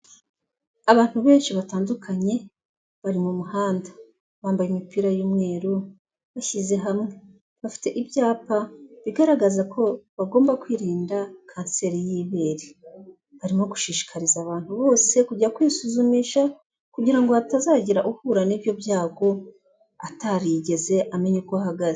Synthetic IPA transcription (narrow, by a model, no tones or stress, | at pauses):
aβaːn̥huβe̞ːnʃiβataːndukʰaɲe̞ | βaɾimumuhaːndḁ | βaːmbajimipiːɾajuːmŋe̞ːɾo | βaçize̞ɦamŋe̞ | βafi̥te̞ʔibjaːpaβiɡaɾaɡazakʰo̞βaɡo̞ːmbakwiːɾiːndakʰaːnse̞ɾijiːβe̞ːɾi | βaɾimoɡu̥ʃiːʃi̥kʰaɾizaβaːnthuβo̞ːse̞kuɟakwisuzumiːʃa | kuɟiɾaŋɡo̞atazaːɟiɾaʔuhuɾaniːbjo̞bjaːɡo̞ | ataɾiɟe̞ze̞ʔame̞ɲekoaɦaɡaze